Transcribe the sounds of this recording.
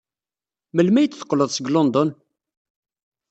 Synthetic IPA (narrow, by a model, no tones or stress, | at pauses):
məlmæjət͡sːθə̥qːləðˤsəɡlond̪ɔn